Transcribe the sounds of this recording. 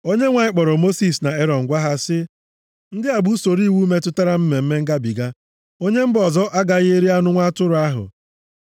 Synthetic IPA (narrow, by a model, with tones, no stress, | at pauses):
o˦ɲe˦ŋʷa˨ɲɪ˦k͡pɔ˨ɾɔ˨mo˦si˨sna˨e˦ɾɔ˨ŋ̩˨ɡʷa˦ɦa˦sɪ˦ | n̩˦dɪ˦a˨bu˦so˨ɾi˦˨wu˦me˦tʊ˦ta˦ɾa˦m̩˦me˨m̩˦me˦ŋ̩˦ɡa˦bi˨ɡa˦ | o˦ɲe˦m̩˦bɔ˨zɔ˦ʔa˦ɡa˨ɣe˦ɾi˦a˦nʊ˦ŋʷa˦tʊ˦ɾʊ˨˦a˦ɦʊ̰˨